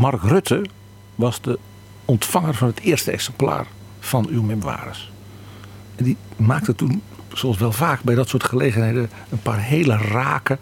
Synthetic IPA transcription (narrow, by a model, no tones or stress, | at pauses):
mɑrkrøtʰə | ʋɑzdə | ɔntfɑŋərvɔnətʰɪərstəɛ̰ksɛmpla̰ːr | fɔnywmɪmʋa̰ːɾəs | ɛndimaːk̚tətun | sosʋɛlˠvaːkbɛjdɔtsoːtχəleːɣənhedə | ənpaːrɦeːləraːkə